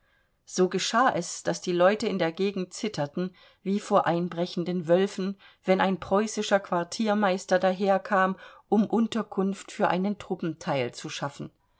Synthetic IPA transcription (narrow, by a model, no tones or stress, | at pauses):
z̥oːɡəʃaːʔɛsd̥asd̥iːlɔʏtəɪndeːɐɡeːɡŋ̩tt͡sɪtʰɐtn̩ | viːfoːɐʔaɪnbʁɛçn̩dənvœlfn̩ | vɛnaɪnpʁ̥ɔʏsɪʃɐkv̥aɐtʰiːɐmaɪstɐdaːɦeːɐkʰaːmʔʊmʔʊntɐkʰʊnftfyːɐʔa̰ɪnəntʁ̥ʊpm̩tʰaɪlt͡suʃafn̩